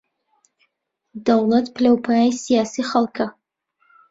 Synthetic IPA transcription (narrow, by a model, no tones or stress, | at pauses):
d̪ɐwlˠɐt̪pʰɨlɐwpʰaajsijaːsiχɐlˠkʰɐ